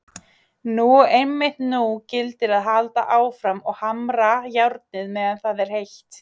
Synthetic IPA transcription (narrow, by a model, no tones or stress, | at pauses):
nuejmːɪht̪nucɪlt̪ɪɾaðɦalt̪a̰ʔaːwfɾamɔɣhamɾajawɾt̪̚nɪðmɛːðanθaðɛɾ̥hejht̪